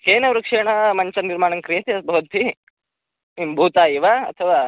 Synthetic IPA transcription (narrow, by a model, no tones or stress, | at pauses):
keːnɐʋɾukʂɛːɳɐmɐɲt͡ʃɐniɾmaːɳɐŋkɾijɐt̪eɐsbʱɐʋɐnt̪ʰi | imbʱuːt̪aːjiʋaːɐ̰t̪ʰɐʋaː